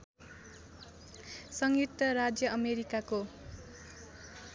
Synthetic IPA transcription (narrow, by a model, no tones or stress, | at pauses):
sʌŋɡit̪ʌɾad͡zjʌʌmeɾikako